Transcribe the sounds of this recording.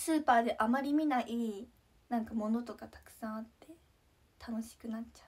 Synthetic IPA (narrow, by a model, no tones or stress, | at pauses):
sɨːpaːd̪e̞ʔamaɾʲimʲinaʔiː | nãŋkamo̞no̞t̪o̞kat̪ḁkɯ̟̥sãɰ̃at̪ːe̞ | t̪ʰano̞ɕi̥kɯ̟nat͡ɕːḁ